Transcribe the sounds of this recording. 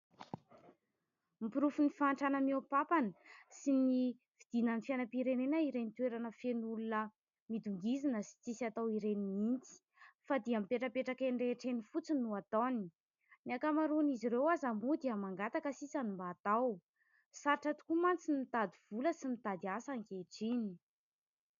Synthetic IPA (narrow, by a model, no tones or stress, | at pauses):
mipiɾufunifaːɳʈ͡ʂanəmopapanəsini | v̥id̪̥inanifianapiɾenenəiɾenit̪weɾanəfenulunə | mid̪uŋɡizinəsi̥t͡sisat̪awiɾenimint͡si̥ | fad̪iamipeʈ͡ʂəpeʈ͡ʂakeɳɖ͡ʐeʈ͡ʂenifut͡sinuat̪oni | niakamaɾuniziɾewazamud̪iamaŋɡat̪akəsisanumbat̪aw | saɾiʈ͡ʂat̪u̥kumant͡sinimit̪ad̪iv̥uləsimit̪ad̪iasaŋkeʈ͡ʂini